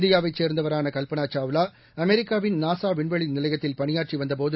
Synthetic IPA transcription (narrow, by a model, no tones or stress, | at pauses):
d̪ɪjaːʋɐɪt͡ʃeːɾnd̪ɐʋɐɾaːnɐkɐlpɐnaːt͡ʃaːʋɯlaː | ɐmɛɾɪkːaːʋɪnnaːsaːʋɪɳʋɐɭinɪlɐɪjɣɐt̪ːɪlpɐɳɪjaːʈt͡ʃːiʋɐnd̪ɐp̬oːðɯ